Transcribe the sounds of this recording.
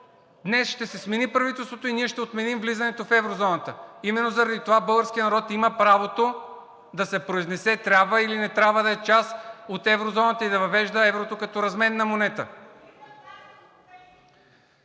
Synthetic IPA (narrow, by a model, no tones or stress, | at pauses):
d̪nɛsʃt̪ɛsɛsmɛnipɾɐvit̪ɛlˠst̪vot̪oiniɛʃt̪ɛot̪mɛnimvlizɐnɛt̪ofɛvɾozɔnət̪əimɛnːozɐɾɐd̪it̪ovabɤlˠɡəɾskʲijənɐɾɔt̪iməpɾavot̪o | d̪ɐsɛpɾoiznɛsɛt̪ɾʲabvəilinɛt̪ɾʲabvəd̪ɐɛt͡ʃasot̪ɛvɾozɔnət̪əid̪ɐvɐvɛʒd̪əɛvɾot̪okɐt̪ɔɾɐzmɛnːɐmonɛt̪ə̰